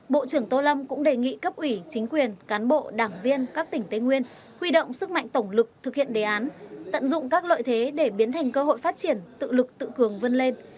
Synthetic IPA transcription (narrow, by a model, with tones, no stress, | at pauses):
ɓo̰˧˨t͡ɕɨ˧˩əŋt̪o˧lə˧mkʊ̰˧˥ŋ͡mɗe˨˩ŋḭ˧˨kə˦˥p̚ʔwi˧˩t͡ɕï˨˦ŋ̟kwi˨˩ənkaː˨˦nɓo̰˧˨ɗaː˧˩ŋvi˧ənkaː˦˥k̚t̪ï˧˩ŋ̟t̪e˨˧ŋwi˧ən | hwi˧ɗo̰˧˨wŋ͡msɨ˦˥k̚ma̰˧˨jŋt̪ə˧˩wŋ͡mlɨ˨˩k̚t̪ʰɨ˨˩k̚hḭ˧˨ənɗe˨˩ʔaː˨˦nt̪ə̰˧˨nzʊ̰˧˨ŋ͡mkaː˦˥k̚lo̰ː˧˨jt̪ʰe˨˦ɗe˧˩ɓi˨˦ənt̪ʰa˨˩jŋ̟kə˧ho̰˧˨jfaː˦˥t̚t͡ɕi˧˩ənt̪ɨ̰˧˨lɨ˨˩k̚t̪ɨ̰˧˨kɨ˨˩əŋvə˧nle˧n